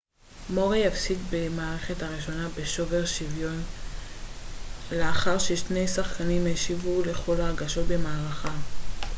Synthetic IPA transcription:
mo̞ʁijafsitbe̞maːʁe̞χe̞thaʁiʃo̞nabe̞ʃo̞ve̞ʁʃivjo̞n | leaχaʁʃeʃne̞jsaχkanimeʃivule̞χo̞laʁɡaʃo̞t̪̚be̞maːʁaχa

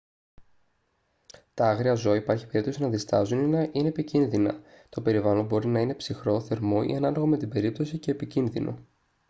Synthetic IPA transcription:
t̪ɐɐɣɾiɐzo̞ɐipɐɾçi̥pe̞ɾipt̪o̞sinɐðist̪ɐzuninɐʔineːpicinðinɐ̰ | t̪o̞pe̞ɾivɐlo̞bo̞ɾinɐine̞psixɾo̞θe̞ɾmo̞ḭɐnɐlo̞ɣome̞t̪ibe̞ɾip̚t̪o̞sice̞ːpicinðinʔo̞̰

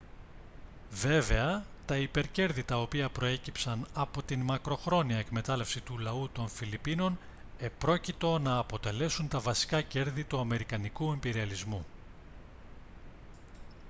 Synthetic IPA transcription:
ve̞ve̞ɐt̪ɐipe̞ɾce̞ɾðit̪ɐo̞piɐpɾo̞e̞cipsɐnɐpo̞t̪inmɐkɾo̞xɾo̞niɐe̞kme̞t̪ɐle̞fsit̪ulɐut̪o̞nfilipino̞n | e̞pɾo̞cit̪o̞nɐːpo̞t̪e̞le̞sunt̪ɐvɐsi̥kɐce̞ɾðit̪uɐme̞ɾikɐnikue̞mbiɾiɐlizmu

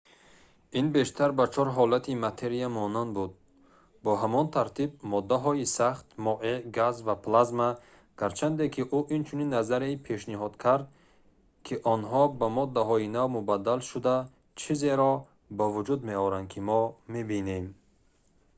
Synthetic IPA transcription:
inbe̞ʃt̪ʰaɾbat͡ʃʰɔɾɦɔlat̪ʰimat̪ʰe̞ɾijamɔnand̪̚bud̪̚ | bɔɦamɔnt̪ʰaɾt̪ʰib̚mɔd̪ːaɦɔisaχt̪mɔʔeɡazvaplazma | ɡ̥aɾt͡ʃʰand̪ekʰiʔuʔint͡ʃʰuninːazaɾeipʰe̞ʃniɦɔd̪kʰaɾd̪̚ | kʰiʔɔnɦɔbamɔd̪ːaɦɔinawmubad̪ːalʃud̪a | t͡ʃʰize̞ɾɔ | bavud͡ʒud̪meɔɾand̪kʰimɔmebine̞m

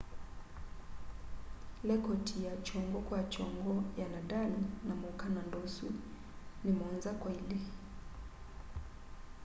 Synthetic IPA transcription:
lɛkɔtʰijat͡ʃɔŋɡɔkwat͡ʃɔŋɡɔjanadalinamɔkanandɔsu | nimɔnzakwailɛ

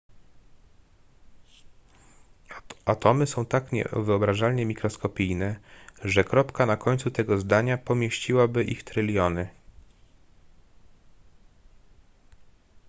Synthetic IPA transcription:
at̪ɔmɘsɔ̃w̃t̪akɲɛ̰vɘɔbɾaʐalɲɛmʲikɾɔskɔpʲijnɛʐɛkɾɔpkanakɔɲʲt̪sut̪ɛɡɔzd̪aɲapɔmʲjeɕt͡ɕiwabɘʔixt̪ɾɘlʲjɔnɘ

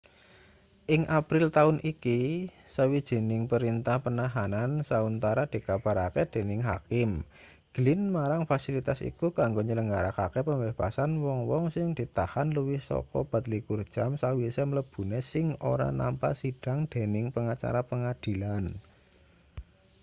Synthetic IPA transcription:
ʔɪŋʔapɾɪlt̪aʊnʔikisəwid̥ʒ̥e̤nɪŋpəɾint̪ahpənaɦanansaunt̪aɾad̪̥i̤kab̥a̤ɾaked̪̥e̤nɪŋɦa̰kɪm | ɡ̥lɪnmaɾaŋfasilit̪asḭkukaŋɡoɲələŋɡaɾa̰kakepəmbeb̥asanwɔŋwɔŋsɪŋd̪̥i̤t̪ahanləwɪhsɔ̰kɔb̥ä̤t̪likurd̥ʒ̥a̤msawisɛmələb̥ṳnesɪŋo̰ɾa̰na̰mpa̰siɖ̥a̤ŋd̪̥e̤nɪŋpəŋat͡ʃa̰ɾapəŋad̪̥i̤lan

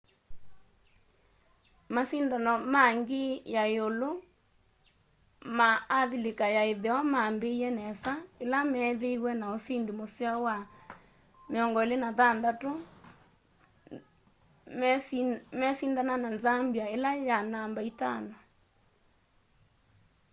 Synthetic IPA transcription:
masindanɔmaŋɡejaeolo | maːðilekajaeðewamambeiɛnɛsaelamɛːðeiɣwɛnaosindemosiawa | meɔŋɡɔelenaðandato | mɛsindanananzambiaelajanambaitana

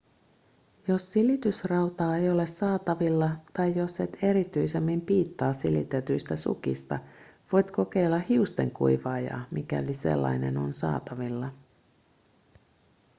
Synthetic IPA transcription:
jo̞sːilit̪ysrɑwt̪ɑːejo̞le̞sɑːt̪ɑʋilːɑt̪ɑjjo̞set̪e̞ɾit̪yjse̞mːimpiːt̪ːɑːsilḭt̪et̪yjst̪æsṵk̟ḭst̪ɑʋo̞jt̪ko̞ke̞jlːɑhiust̪e̞̰ŋkṵjʋɑːjɑ̰ːmikæ̰olise̞̰lːɑ̰jne̞̰no̰nsɑ̰ːt̪ɑʋilːɑ

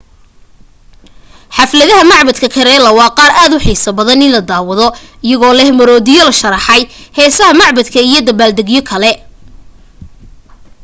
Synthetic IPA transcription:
ħɑflɐðɐɦɐmɑʕbɐd̪kʰɐkʰɐɾɛːlɐwɑːqɑːɾʔaːd̪ʊħiːsɐbɐðɐnɪnlɐd̪aːwɐðɔɪjɐɣɔːlɛhmɐɾɔːðɪjɔlɐʃɐɾɑħɑjhɛːsɐɦɐmɑʕbɐd̪kʰɐijɔd̪ɐbaːld̪ɐɣjɔkʰɐlɛ

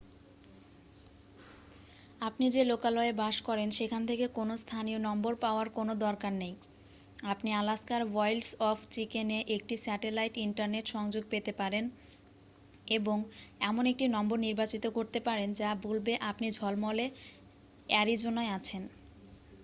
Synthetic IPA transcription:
apnid͡ʑelokalɔebaʃkɔɾenʃekʰant̪ʰekekonost̪ʰanionɔmboɾpaoaɾkonod̪ɔɾkaɾnej | apnialaskaɾʋɔjlɖsɔfʰt͡ɕikeneʔek̚ʈisɛʈelajʈiɳʈaɾneʈʃɔŋd͡ʑoɡ̚pet̪epaɾen | eboŋɛmonek̚ʈinɔmboɾniɾbat͡ɕit̪okoɾt̪epaɾend͡ʑabolbeʔapnid͡ʑʱɔlmɔle | ɛɾid͡ʑonaeat͡ɕʰen

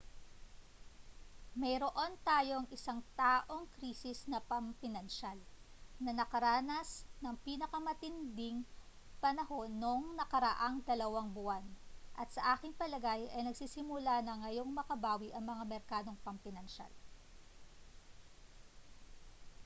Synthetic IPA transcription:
mɐjɾo̞ʔo̞nt̪aːjo̞ŋʔɪsaŋt̪aːʔo̞ŋkɾiːsɪsnɐpɐmpɪnɐnʃalnɐnɐkɐɾaːnɐsnɐŋpinɐkɐmɐt̪ɪnd̪ɪŋ | pɐnɐho̞nːoŋnɐkɐɾɐʔaŋd̪ɐlɐwaŋbʊʔanʔɐt̪̚sɐʔaːkɪŋpɐlɐɡajʔɐjnɐɡ̚siːsɪmʊlanɐŋɐjo̞ŋmɐkɐbaːwiʔɐŋmɐŋamɛɾkaːd̪o̞ŋpɐmpɪnɐnʃa̰l

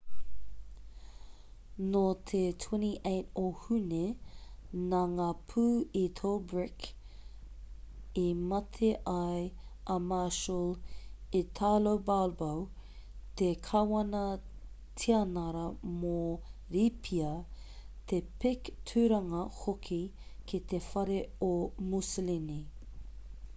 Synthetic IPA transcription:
not̪ʰetʰwɛniʔeɪtohune | naŋaːpʰuːitʰolbɹɪk | imɐtʰeʔɐjɐmaʃəlitʰaːlowbalbɐw | t̪ekʰɐwɐnɐ | tʰiɐnɐɾɐmoɾipʰiɐ | t̪ʰepɪktʰʉɾɐŋɐhokʰikʰit̪efɐɾeomuslini

